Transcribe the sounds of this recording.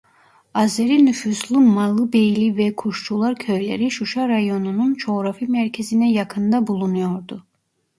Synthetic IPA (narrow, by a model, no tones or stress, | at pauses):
azeɾinyfyslˠɯmalˠːɯbejlʲivɛkʰuʃt͡ʃ̪ʰulˠaɾcʰøjlʲeɾiʃuʃaɾajo̞nununt͡ʃʰo̞ɾafimæɾcʰe̞zinɛjakʰɯnd̪abulˠunujo̞ɾd̪u